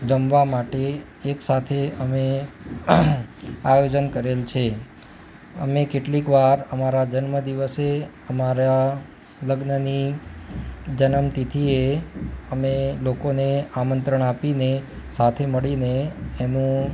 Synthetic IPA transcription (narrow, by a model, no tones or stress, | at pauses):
d͡ʒəmʋamaʈeː | ksat̪ʰeəme | ajod͡ʒənkəɾelt͡ʃʰe | ə̰mekeʈlikʋaɾəmaɾad͡ʒənməd̪iʋəse | əmaɾa | ləɡnəni | d͡ʒənəmt̪it̪ʰieəmelokoneamənt̪ɾəɳapine | sat̪ʰeməɭineːnũ